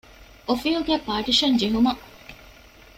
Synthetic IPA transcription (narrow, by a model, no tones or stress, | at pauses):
ʔofiuɡæːpaːʈiʃɐnd͡ʒeɦumɐ